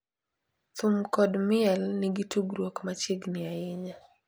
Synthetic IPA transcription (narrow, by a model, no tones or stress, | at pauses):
t̪umkɔdmɪɛlnɪɡituɡɾwokmat͡ʃiɡnɪaɪɲa